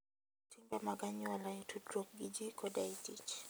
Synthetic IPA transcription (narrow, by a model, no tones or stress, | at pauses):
timbamaɡaɲiwalaitʰudɾɔkɡid͡ʒikɔdaitit͡ʃ